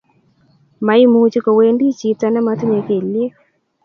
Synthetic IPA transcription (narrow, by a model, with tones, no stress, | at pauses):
ma˨i˦mu˨˦t͡ʃi˦ko˨we˦ndi˦t͡ʃi˨ta˦na˦ma˦tu˦ɲe˨ke˨le˦